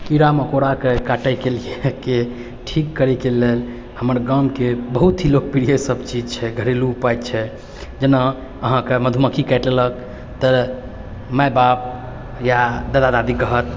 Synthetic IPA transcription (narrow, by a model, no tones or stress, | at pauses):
kiɾaməkoɾakekaʈəjkelieke | ʈʰikːəɾɛkelel | həməɾɡamkebəɦut̪ɦilok̚piɾijesəbt͡ʃid͡ʒt͡ʃʰɛɡʱəɾiluːpajt̪̚t͡ʃʰɛ | d͡ʒena | əɦãkeməd̪ʱuməkʰikɛʈlelək | t̪ə | majbap̚ | jad̪əd̪ad̪ad̪ikəɦət̪̚